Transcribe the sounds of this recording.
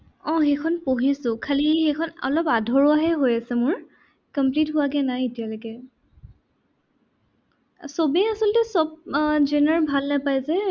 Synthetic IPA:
ɔ̃xɛkʰɔnpoɦisʊ̃kʰalixɛkʰɔnɔ̰lɔpadʱɔɹɔaɦɛɦojasɛmʊɹ | kəmplitɦʊwaɡɛnajetijalojkɛ | sobɛasɔltɛsɔb̚d͡ʒenaɹbʱalnapajzɛ

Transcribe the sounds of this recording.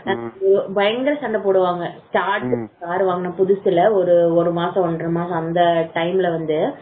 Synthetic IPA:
ɔɾɯbɐjɐŋɡɐɾɐsɐɳɖɐpoːɽɯʋaːŋɡɐsʈaːɾʈsɯsaːɾɯʋaːŋɡɐnːaːpʊðʊsɪlɐɔɾɯɔɾɯmaːsɐ̃ɔɳɖɾɐmaːsɐ̃ɐnd̪ɐʈɐɪmɪlɐʋɐnd̪ɯ

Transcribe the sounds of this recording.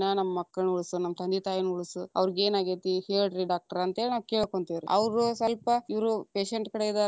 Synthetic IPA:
nɐnɐmːɐmɐkːɐɭɳuɭsunɐmːɐt̪ɐnd̪it̪aːjinuɭusuɐ̰ʋɐɾiɡeːnaːɡet̪iheːɭɖɾiɖaːk̚ʈɐɾɐnt̪eːnaːʋkeːɭkoɳt̪iʋɾḭɐ̰ʋɾusɐlpɐiʋɐɾupeːʃeɳʈkɐɽeid̪aː

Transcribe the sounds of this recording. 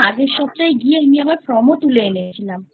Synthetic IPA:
adeɾʃɔb̚t͡ɕajɡieamiɛbaɾpɾɔmot̪uleenet͡ɕʰilam

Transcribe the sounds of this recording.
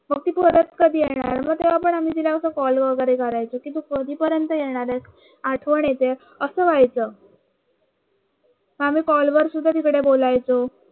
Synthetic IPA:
məɡ̚t̪iːpəɾət̪kəd̪ʱiːjeɽ̃a̰ɾaɾməɡ̚t̪eʋapəɳam̤iːd͡zilaəsəkɔlʋəɡəɾekəɾajt͡sokint̪̬ukəd̪ʱiːpəɾjənt̪əjeɽ̃aɾjas | aʈʰʋəɳjet̪e | əsəːʋajt͡sə | məam̤iːkɔlʋəɾsud̪ʱːat̪ikɽebolajt͡so

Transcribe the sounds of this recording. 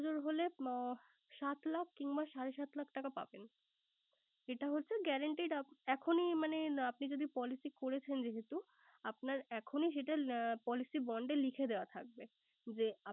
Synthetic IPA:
d͡ʑoɾɦole | ʃat̪lakʰkiŋbaʃaɾeʃat̪lak̚ʰʈakapa̰ben | eʈaɦolt͡ɕʰeɡɛɾaɳʈiɖaɛkʰonimaneapnid͡ʑod̪ipɔlisikoɾet͡ɕʰend͡ʑeɦet̪u | apnaɾɛkʰoniʃ̬eʈapɔlisibɔɳɖelikʰed̪eoat̪ʰak̚be | d͡ʑea

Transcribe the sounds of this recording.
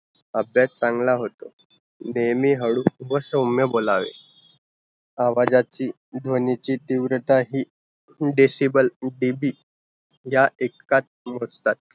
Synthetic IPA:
əbjat̚t͡saŋɡlaɦot̪o | nejmiːɦəɽuʋəsəmjəbolaʋḛ | aʋad͡ʑat͡ɕiː | d̪ʱʋənit͡ɕiːt̪iʋɾət̪aɦiː | ɖesibəlɖibiː | ɦjaʔekːat̪̚mot͡st̪at̪̚

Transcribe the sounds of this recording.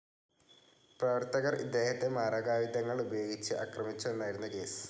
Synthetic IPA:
prɐʋɐrt̪ɐɣɐrḭd̪ːe̞ːhɐt̪ːe̞maːrɐɡaːʋid̪ɐŋːɐɭubɐjo̞ːɡit͡ɕːɨʔa̰krɐmit͡ɕːue̞nːaːjiɾunːɐke̞̰ːsɨ̥

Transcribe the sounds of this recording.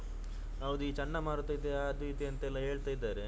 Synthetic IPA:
ɐʋd̪uiːt͡ʃɐɳːɐmaːɾut̪ːajid̪ːeaːd̪uʋit̪iɐnt̪ɐɛlːɐɦe̞ːɭt̪aːjid̪ːaːɾe

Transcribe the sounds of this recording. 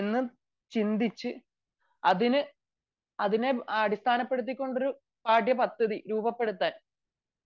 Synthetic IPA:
enːɨ | t͡ɕind̪it͡ɕːɨ | ɐðinɨ | ɐðine̞ɐɽist̪ʰaːnɐpːe̞ɽut̪̬ːikʲːo̞ɳɖo̞ɾu | paːʈjɐpɐt̪ːɐðiɾuːbɐpːe̞ɽut̪ːaːn

